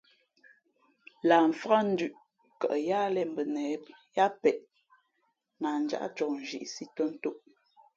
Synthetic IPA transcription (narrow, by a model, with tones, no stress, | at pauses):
laː˨ɱ̩˨fa˦n̩˦dʉ˨ʔ | kə̰˨ʔja˦lɛ˦m̩˨bə˨nɛ˨˦ | ja˦pɛ˨ʔ | na˨n̩˨d͡ʒa̰˦˨ʔt͡ʃɔ˨n˨ʒḭ˦˨ʔsi˦tə˦n̩˦to˦ʔ